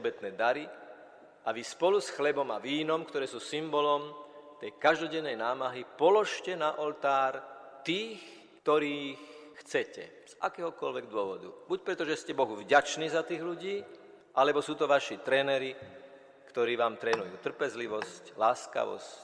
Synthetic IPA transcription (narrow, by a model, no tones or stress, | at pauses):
bɛt̪nɛːd̪aɾi | aʋispɔlusxlɛbɔmaʋiːnɔmkt̪ɔɾɛːsuːsimbɔlɔmt̪ɛjkaʒd̪ɔɟɛnːɛjnaːmaɦipɔlɔʃcɛnaʔɔlt̪aːɾt̪iːx | kt̪ɔɾiːxxt͡sɛcɛ̰ | z̥ʔa̰kɛːɦɔkɔlʋɛɡd̪ʊɔʋɔd̪ṵbuc̚pɾɛt̪ɔʒɛscɛbɔɦuvɟat͡ʃniːzat̪iːɣluɟiː | ʔalɛbɔsuːt̪ɔʋaʃit̪ɾɛːnɛɾi | kt̪ɔɾiːʋaːmt̪ɾɛːnujuːt̪r̩pɛzliʋɔsclaːska̰ʋɔ̰sc